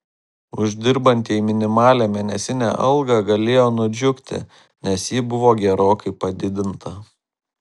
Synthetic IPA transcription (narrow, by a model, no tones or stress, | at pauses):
ʊʒʲd̪ʲɪɾbɐnʲt̪ʲiːimʲɪnʲɪmɑːlʲæːmʲeːnʲɛsʲɪnʲæ̰ʔɐ̰lˠɡɐˑɡɐlʲeːjoːnʊd͡ʒʲʊkʲt̪ʲɪ̰ | nʲɛsjiːbʊʋoːɡʲɛɾoːkɐɪpɐd̪ʲɪd̪ʲɪnt̪ʰɐ